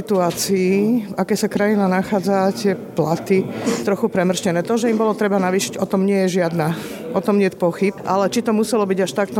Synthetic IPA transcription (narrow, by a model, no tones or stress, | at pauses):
it̪uaːt͡siifakɛːsakɾajinanaxaːd͡zatɪɛplat̪it̪ɾɔxupɾɛmr̩scɛnɛːt̪ɔʒɛimbɔlɔt̪ɾɛbanaʋiːʃiɟɔt̪ɔmɲɪɛjɛʒɪad̪na | ʔɔt̪ɔmɲɪɛcpɔxip̚ʔa̰lɛt͡ʃit̪ɔmusɛlɔbiɟaʃt̪ak̚t̪ɔ